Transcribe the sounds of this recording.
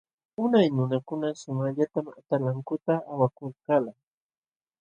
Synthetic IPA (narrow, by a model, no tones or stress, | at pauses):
ʊnajnʊnakʊnasʊmaʎat̪ama̰t̪alaŋkʊt̪aːwakʊlkala